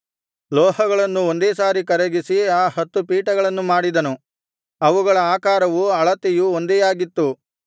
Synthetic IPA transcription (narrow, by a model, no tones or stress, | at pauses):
lɔːhɐɡɐɭɐnːuond̪eːsaːɾikɐɾeɡisiaːhɐt̪ːupiːʈɐɡɐɭɐnːumaːɽid̪ɐnu | ɐʋuɡɐɭɐaːkaːɾɐʋuɐɭɐt̪ijuond̪ɛjaːɡit̪ːu